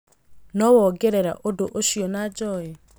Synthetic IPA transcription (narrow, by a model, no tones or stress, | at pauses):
nɔwɔɡɛɾɛɾa̰ʔodoʔoʃiɔnad͡ʒɔjɛ